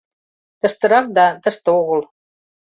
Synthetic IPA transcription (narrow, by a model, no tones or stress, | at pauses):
t̪ə̆ʃt̪ə̆ɾɑk̚d̪ɑt̪ə̆ʃt̪ə̆oɣə̆l